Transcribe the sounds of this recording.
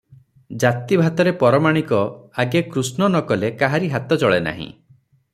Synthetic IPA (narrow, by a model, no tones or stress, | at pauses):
d͡ʒat̪ibʱat̪ɔɾepɔɾɔmaɽ̃ikɔaɡekɾusnɔnɔkɔlekaɦaɾiɦat̪ɔt͡ʃɔɭena̰ɦḭ̃